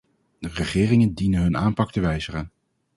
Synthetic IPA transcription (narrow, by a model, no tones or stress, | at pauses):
dərəχɪːrɪŋəndinənɦɵnaːmpɑk̚təʋɛjzəχən